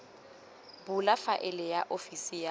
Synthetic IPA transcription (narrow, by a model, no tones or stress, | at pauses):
bʊlafaʔɪlɪjaʔofisija